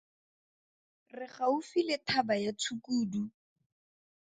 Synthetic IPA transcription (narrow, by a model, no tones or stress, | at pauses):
rɪχaʊfilɪtʰabajat͡sʰukuːdu